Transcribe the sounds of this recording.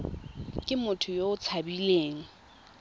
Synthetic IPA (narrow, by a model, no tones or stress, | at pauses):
kʼɪmʊtʰʊjoʊt͡sʰabileːŋ̩